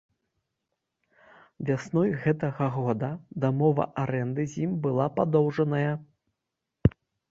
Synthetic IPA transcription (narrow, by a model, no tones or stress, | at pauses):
vʲasnɔjɣɛt̪ɐɣɐɣɔd̪ɐd̪amɔvɐ̰ʔaɾɛnd̪ɨzʲimbɨlˠapad̪ɔwʐɐnɐjɐ